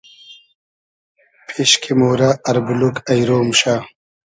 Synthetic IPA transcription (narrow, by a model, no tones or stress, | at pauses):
pʰiɕkʰimoːɾaɐɾbulukɐjɾoːmɕa